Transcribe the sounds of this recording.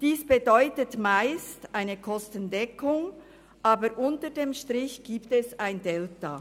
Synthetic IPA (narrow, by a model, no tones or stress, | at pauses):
d̥iːsb̥edɔʏtətmaɪstʔaɪnəkʰɔstəndɛkʰʊŋ | ʔaːbəɾʔʊntədeːmʃtʁɪçɡ̥iːptɛsaɪndɛlta